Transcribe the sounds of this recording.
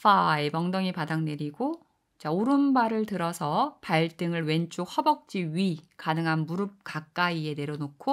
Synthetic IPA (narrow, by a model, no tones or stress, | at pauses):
faemʌŋdʌŋipadaŋne̞ɾiɡo | t͡ɕaoɾɯnbaɾɯɭtɯɾʌsʰʌpaɭt͈ɯŋɯɭwe̞nt͡ɕ͈ohʌbʌk̚t͡ɕ͈iɥikanɯŋɦanmuɾɯp̚k͈ak͈aie̞ne̞ɾjʌnokʰo